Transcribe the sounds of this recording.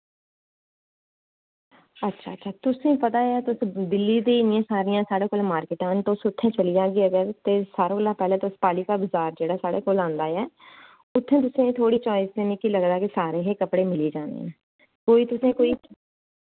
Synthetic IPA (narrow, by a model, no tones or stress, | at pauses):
ətːʃʰaːtːʃʰaːt̪ʊsẽːpət̪aːaːt̪ʊsd̪ɪlːiːd̪eːnɪãːsaːɾɪjãːsaːɽeːkoːlmaːɾkɪʈãːnt̪õːsʊt̪ʰːẽːt͡ʃəliːd͡ʒaːɡiːəɡəɾt̪eːsaːɾõːəlːãːpɛːlẽːt̪ʊspaːliːkaːbʊzaːɾd͡ʒeːɽaːsaːɽeːkoːlãːnd̪aːɛː | ʊt̪ʰːẽːt̪̬ʊsẽːt̪ʰoːɽiːt͡ʃɔːɪst̪eːnɪkiləɡd̪aːkɪsaːɾeːɦeːkəpɽeːmɪliːd͡ʒaːnd̪ḛ | koːiːt̪ʊsẽːkoːiː